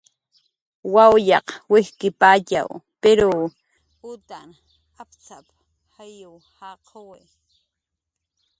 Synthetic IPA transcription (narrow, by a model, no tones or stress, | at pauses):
wawjɑqwɪhkɪpaːt͡ʃa̰wpeɾo | ʊt̪an | ap̚t͡sap | hajʊw | hɑqʰowe